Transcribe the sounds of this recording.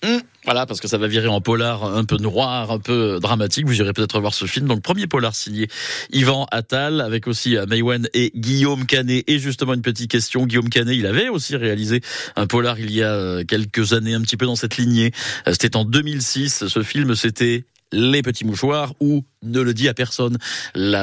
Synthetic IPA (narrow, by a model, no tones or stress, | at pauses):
vwa̰lapaʁsə̥kəsavaviʁeɛ̃pɔlaʁɛ̃pønʁwaʁɛ̃pøød̪ʁamat̪ikvuziʁepøt̪ɛt̪ʰχəvwaʁsəfilmd̪ɔ̃k̚pχəmjepɔlaʁsiɲjeivɑ̃ʔat̪alavɛkosiømajwaneɡʲijomkʲaneʔeʒyst̪əmɑ̃ynpət̪it̪̚kʲɛst̪jɔ̃ɡʲijomkaneilavɛosiʁealizeɛ̃pɔlaʁiljaøkʲɛlkəzaneɛ̃pət̪ipød̪ɑ̃sɛt̪linjese̥t̪ɛt̪ɑ̃d̪ømilsisːəfilmset̪ɛ | lepət̪imuʃwaʁunələd̪iapɛʁsɔnla